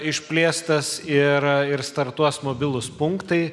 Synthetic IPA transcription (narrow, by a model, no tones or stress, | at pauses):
ɪʃʲpʲlʲeːst̪ɐsɪɾɪɾst̪ɐɾt̪uɔsmoːbʲɪlˠʊspʊŋkt̪ɐɪ